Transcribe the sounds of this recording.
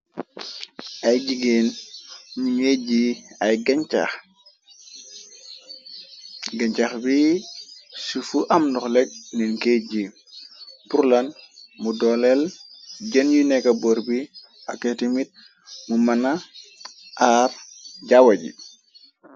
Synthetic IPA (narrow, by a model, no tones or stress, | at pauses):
ajɟiɡenɲumeɟiajɡant͡ʃa̰x | ɡaɲt͡ʃaxbi | sufuʔamnɔxleɟ̚ninkeɟi | puɾlanmudɔlelɟɐnjunekaboɾbi | aketimit̚ | mumana | ʔaɾɟawaɟḭ